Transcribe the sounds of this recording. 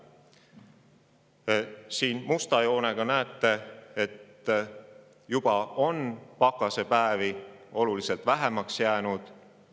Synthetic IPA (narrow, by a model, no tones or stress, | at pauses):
siːnmust̪ɑjo̞ːne̞ɡ̥ɑnæːt̪ːˑe̞et̪ː | jub̥ɑo̞npɑkːˑɑse̞pæevio̞lulise̞lt̪væɦe̞mɑksjæːnud̪̥